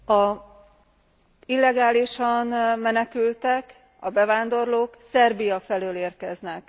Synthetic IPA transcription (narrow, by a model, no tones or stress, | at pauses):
ɒ | ilːɛɡaːliʃɒnmɛnɛkylt̪ɛk | ɒbɛvaːnd̪o̞rloːksɛrbijɒfɛløːleːrkɛznɛk